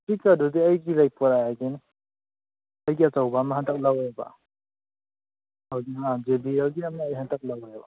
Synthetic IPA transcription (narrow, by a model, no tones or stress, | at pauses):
pikadudiajɡiɾajpɔɾajaɡeni | ajɡiatawbamaɦantʰak̚lawajba̰ | awdiad͡ʒebiɾawɡiamaajɦantʰak̚lawajba̰